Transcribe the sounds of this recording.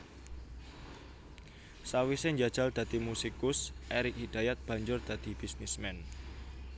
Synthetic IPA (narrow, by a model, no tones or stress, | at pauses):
sawisɪɲd͡ʒad̥ʒ̥a̤ld̪̥ä̤d̪̥i̤musikʊsʔɛɾikhid̪̥a̤jat̪̚b̥ä̤ɲd͡ʒʊrd̪̥a̤d̪̥i̤bisnismɛn